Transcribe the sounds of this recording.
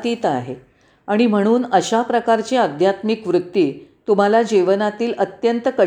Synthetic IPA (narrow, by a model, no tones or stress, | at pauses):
t̪it̪aɦe | aɽ̃im̤əɽ̃uːnəɕapɾəkaɾt͡ɕiəd̪ʱjat̪mikʋɾut̪ːiːt̪um̤alad͡ʑiʋənat̪iːlət̪jənt̪əkə